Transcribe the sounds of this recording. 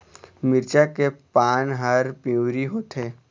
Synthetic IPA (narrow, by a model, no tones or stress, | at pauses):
mɪɾt͡ʃakepaːnɦɐɾpiuːɾiɦoːt̪eː